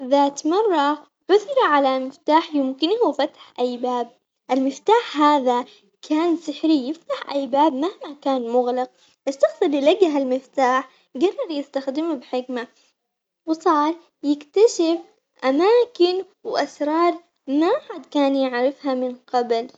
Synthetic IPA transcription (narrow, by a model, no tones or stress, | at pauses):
ðaːt̪mɑrˤːɑ | ʕʊðɾˤɑʕalamɪft̪aːħjɪmkɪnhufat̪ḁħʔajbaːb̚ | ʔalmɪft̪aːħɦaːða | kʰaːnsɪħɾijɪft̪aħʔajbaːbmahmakaːnmʊɣlɑq̚ | ʔaʃːɑxsˤɨljɪlaɡːɪɦalmɪft̪aːħ | ɡɑrˤːɑɾˤjɪst̪axd̪ɪmabħɪkma | wsˤɑːɾˤ | jɪkt̪aʃɪf | ʔamaːkɪn | wʔasɾˤɑːɾˤ | maħad̪kaːnjɪʕɾɪfhamɪnqɑbl